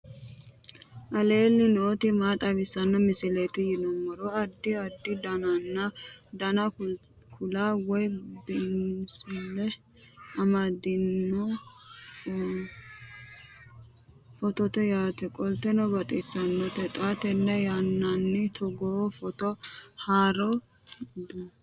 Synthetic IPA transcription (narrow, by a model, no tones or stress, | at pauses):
ʔɐleːlːɪnoːt̪ɪmaːt̪ʼɐβɪsːɐnːɔmɪsɪlet̪ɪjɪnɔmːɔɾoɐd̪ːɪɐd̪ːɪd̪ɐnɐnːɐd̪ɐnɐ | kʰʊlaːwɔjbɪnsɪlːɛ | ɐmɐd̪ɪnːɔ | fɔt̪ɔt̪ɛjaːt̪ɛkʼɔlt̪ɛnɔbɐt̪ʼɪsːɐnːɔt̪ɛt̪ʼat̪ɛnːɛjanːɐnːɪt̪ʰɔɡɔfɔt̪ɔhaːɾɔ | d̪u